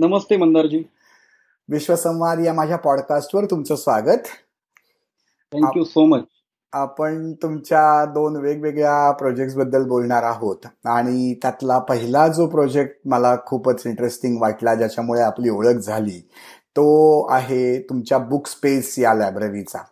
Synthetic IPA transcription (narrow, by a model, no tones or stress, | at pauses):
nəməst̪emənd̪əɾd͡ʑiː | ʋiɕʋəsə̃w̃ʋad̪jamad͡ʑʱjapɔɽkasʈʋəɾt̪umt͡səsʋaɡət̪ | t̪ʰɛ̃ŋkjusomət͡ɕ | apəɳt̪umt͡ɕjad̪onʋeɡʋeɡɭjapɾod͡ʑek̚ʈsbəd̪ːəlbolɳaɾaɦot̪aɽ̃it̪jat̪lapəɦilad͡zopɾod͡ʑek̚ʈ̚məlakʰuːpət͡siɳʈɾesʈiŋɡʋaʈlad͡ʑat͡ɕamuɭeapliːoɭəkd͡zʱaliːt̪oaɦet̪umt͡ɕjabukspesjalabɾəɾit͡sa̰